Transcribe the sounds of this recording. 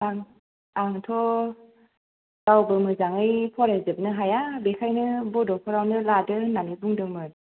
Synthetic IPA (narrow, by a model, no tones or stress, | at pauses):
aŋ | aŋtʰɔ | tawbɯmɯzaŋɯjpʰɔɾezɯp̚nɯɦajabekʰajnɯbɔdɔpʰɔɾawnɯladɯnanibuŋdɯmɯt